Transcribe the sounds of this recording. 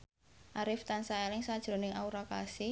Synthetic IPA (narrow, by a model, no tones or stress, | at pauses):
ʔaɾɪft̪ansaɛlɪŋsad̥ʒ̥ɾo̤nɪŋauɾakasɪ